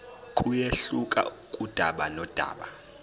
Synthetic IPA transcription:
kʼujeɬukʼa̰ukʼud̥ʱaɓanɔd̥ʱa̰ːɓa

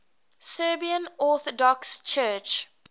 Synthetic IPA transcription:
səːbiə̃nɔθɔdɔkst͡ʃʰɜːt͡ʃ

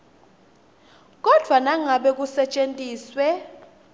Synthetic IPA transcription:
k̬ʼɔd̥ʱwanaŋaɓɛk̬ʼusɛt͡ʃʼentʼiːswɛ

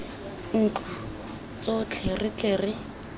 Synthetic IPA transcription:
ŋ̩ːt͡ɬa | t͡sot͡ɬʰerɪt͡ɬeːrɪ

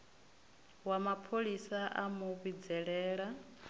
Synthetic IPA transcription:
wamapʰoɺisaʔamuβid͡zɛɺɛːɺa

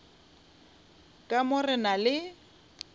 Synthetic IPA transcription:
kʼamʊrɪnalɪ

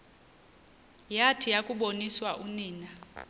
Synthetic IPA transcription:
jatʰijakʼuɓoniswaʔuniːna

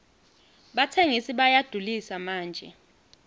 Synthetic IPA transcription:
ɓatʰeŋisiɓajad̥ʱulisamaːnd͡ʒʱɛ̰

